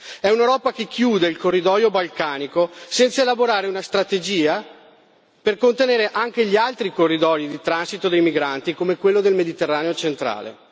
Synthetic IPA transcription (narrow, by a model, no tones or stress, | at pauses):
ɛunewɾɔːpak̟ekːjuːd̪eilkorːid̪ɔjobalkaːnikosɛnt̪saelaboɾaːɾeunast̪ɾat̪ed͡ʒiːa | perkont̪eneːɾeʔaŋk̟eʎialt̪ɾikorːid̪ɔjid̪it̪ɾansit̪od̪ejmiɡɾant̪ikomekwelːod̪elmed̪it̪erːaːneot͡ʃent̪ɾa̰ːlḛ